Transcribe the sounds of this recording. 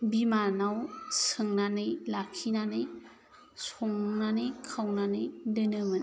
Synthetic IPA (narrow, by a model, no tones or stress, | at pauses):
bimanawsɯŋnanɯjlakʰinanɯj | sɔŋnanɯjkʰawnanɯjdɯnɯmɯn